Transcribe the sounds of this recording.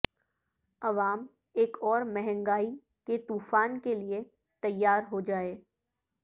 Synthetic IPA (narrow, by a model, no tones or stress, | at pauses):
ɐʋaːm | eːkɔːɾmɛɦɛ̃ŋɡaːi | ket̪uːfaːnkelie | t̪ɐjːaːɾɦod͡ʒaːeː